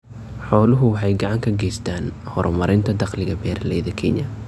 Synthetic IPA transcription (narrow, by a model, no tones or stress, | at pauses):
ħɔːlʊɦʊwɑħɑjɡɑʕɑŋkʰɐɡɛjst̪ʰaːnhɔrmɐɾʔɪnt̪ʰɐd̪ɑqlɪɣɐbɛːɾɐlɛjðɐkʰɛɲʔɐ